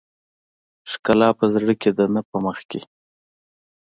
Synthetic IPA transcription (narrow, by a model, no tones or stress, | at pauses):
ʂkalɑpəzɽəked̪ənəpəməxke